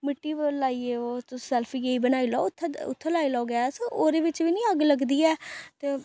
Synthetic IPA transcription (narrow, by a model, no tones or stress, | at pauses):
mɪʈːiːʋəlaːiːeːoːt̪ʊsɛːlpʰiːjeiːbənaːiːlɔːʊt̪ʰːʊ̰t̪ʰːəlaːilɔːɡɪaːsoʔoːɾeːʋɪt͡ʃʋiːnĩːəɡləɡd̪iːɛːt̪eː